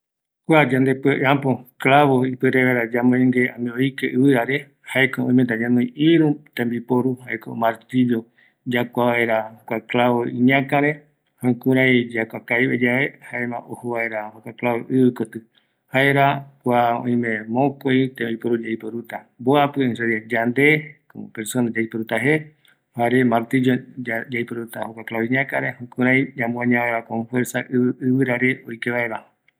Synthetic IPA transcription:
kʷad͡ʒãnd̪e̞peʔãpoklaβoipɨɾeβeɾad͡ʒamõĩŋɡe̞ãmĩoikeʔɨβɨɾaɾe | haekoõj̃met̪̬aɲãnõj̃iɾũt̪ẽmbipoɾuhaeko̰maɾt̪iβjo | d͡ʒakʷaʋae̞ɾakʷaklaβoĩɲãkãɾe | hãkũɾajd͡ʒakʷakajβed͡ʒaβe̞haemã̰ʔohoβae̞ɾahokaklaβo̰ʔɨβɨkot̪ɨ | hae̞ɾakʷaõ̰ĩmẽ̞mõkõjt̪eojpoɾud͡ʒaipoɾut̪aboapɨẽseɾad͡ʒand̪ekomopeɾsonad͡ʒajpoɾut̪aɦe | haɾemaɾt̪id͡ʒod͡ʒajpoɾut̪ahokʷaklaβĩɲãkaɾehõkũɾajd͡ʒãmũãɲãeɾakomfweɾsaʔɨɨɨβɨɾaɾeojkeβaeɾa

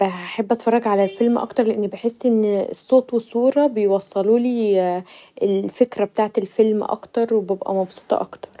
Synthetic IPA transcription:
b̥eħabːʔæt̪fɑrˤːɑɡʕalælfelmʔɑ̰kt̪ɑɾˤleʔenːbeħesːʔen̰ːsˤːoːt̪wesˤuːɾˤɑbejwɑsˤːɑluːliː | elfekɾæbet̪aːʕet̪elfelmʔɑ̰kt̪ɑɾˤwebebʔæ̰mɑbsuːt̪ˤɑ̰ʔɑ̰kt̪ɑ̥ɾˤ

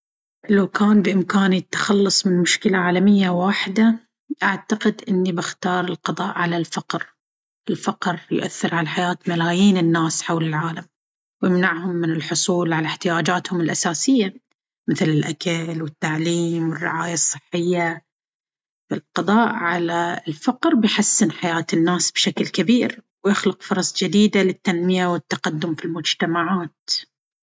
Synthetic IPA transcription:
lawkaːnbɪʔɪmkaːnit̪ːḁxɑlːɑsˤmɪnmʊʃkɪlaʕaːlamɪjːawaːħɪd̪a | ʔaʕt̪aqɪd̪ʔɪnːibɪxt̪ɑːɾˤɪlqɑðˤɑːʔʕalalfɑqɾ | ʔɪlfaqɾjʊ̰ʔa̰θːɪɾʕalaħajaːt̪malaːjiːnɪnːaːsħawlɪlʕaːlam | wjɪmnaʕhʊmːɪnɪlħʊsˤuːlʕalaħt̪ɪjaːd͡ʒaːt̪hʊmɪlʔasaːsɪjːa | mɪθlɪlʔakalwɪt̪ːaʕliːmwɪrːɪ̰ʕaːjasˤːɨħːɪjːa | fɪlqɑd̪ˤɑːʔʕalalfɑqɾbɪjħasːɪnħajaːt̪ɪnːaːsb̥ʃaklkabiːɾwjɪxlʊqfʊɾˤɑsˤd͡ʒɪd̪iːd̪alɪt̪ːanmɪjawɪt̪ːaqad̪ːʊmfilmʊd͡ʒt̪amaʕaːt̪

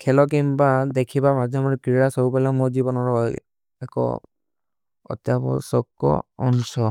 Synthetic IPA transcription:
kʰɛlɔk̬imbadekʰibamazɔmaɹkɹiɹasɔupalɛmɔɹzibɔnɔɹɔj | ɛkɔ̰ | ɔ̰tjabɔ̰sɔkːɔ̰ɔnsɔ

